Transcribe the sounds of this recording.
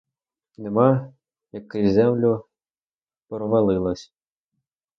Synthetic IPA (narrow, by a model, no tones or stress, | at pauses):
nemɑ | jɐkːɪjzɛmlʲʊ | pɾɔʋɐlˠɪlˠɐsʲ